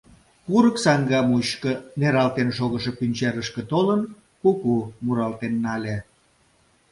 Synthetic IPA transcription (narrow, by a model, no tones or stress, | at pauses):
puɾəksɑŋɡɑmuɕkə̆neɾɑlt̪enʃoɣəʃepynʲt͡ɕeɾəʃkĕt̪olən | kukumuɾɑlt̪enːɑlʲe